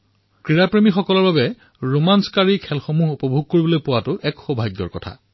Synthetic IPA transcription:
kɹiɹapɹemixɔkɔlɔɹbabɛ | ɹomanskaɹikʰɛlxomuɦupɔbʱuɡ̚koɹibɔlojpʊwatʊʔɛkxobʱaɡjɔ̰ɹkɔtʰa̰

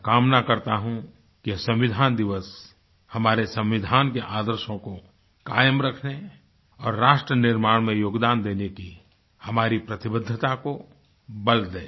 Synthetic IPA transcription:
kaːmnakɐɾt̪aɦũ | kisɐ̃mʋɪd̪ʱaːnd̪ɪʋəs | hɐmaːɾesə̃mʋɪd̪ʱaːnkeʔaːd̪əɾʃõko | kaːjəmɾɐkʰne | ɔːɾːaːʃʈɾənɪɾmaːɽ̃mẽjoːɡd̪aːnd̪eːneki | hɐmaːɾipɾɐt̪ɪbəd̪ʱːət̪ako | bəld̪eː

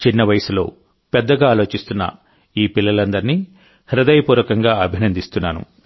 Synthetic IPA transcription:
t͡ʃinːɐʋɐjɐsulo̞ː | pɛd̪ːɐɡaːlo̞ːt͡ʃist̪unːɐ̰ | iːpilːɐlɐnd̪ɐɾni | hɾɐd̪ɐjɐpuːɾɐkɐŋɡaːɐbʱinɐnd̪ist̪unːaːnṵ

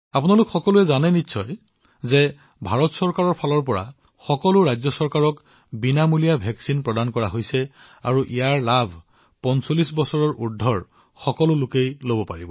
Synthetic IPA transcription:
apunalʊkxɔkɔluɛzanɛnitːsʰɔj | zɛ | bʱaɹɔtsɔɹkaɹɔɹpʰalɔɹpɔɹa̰ | xɔkɔlʊɹajzjɔsɔɹkaɹɔk | binamulijabʱɛksinpɹɔdankɔɹaɦojsɛ | a̰ɹuʔijaɹlabʱ | pɔnsolisbɔsɔɹɔɹʔudʱɔɹ | xɔkɔlʊlʊkejlobɔpa̰ɹibɔ

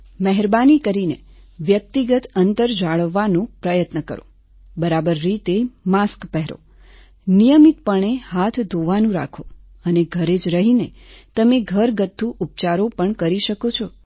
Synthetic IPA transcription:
məɦɛɾbanikəɾineʋjək̚t̪iɡət̪ənt̪əɾd͡ʒaɭəʋːanõpɾəjət̪nəkəɾo̰ | bəɾabəɾːit̪emaskpɛɦɾo̰ | nijəmit̪̚pəɳ̃ehat̪ʰd̪ʱoʋanũɾa̰kʰo | əneɡʱəɾed͡ʒɾəɦine | t̪əmeɡʱəɾɡət̪ʰːuʔup̚t͡ʃaɾopəɳkəɾiʃəkot͡ʃʰɔ

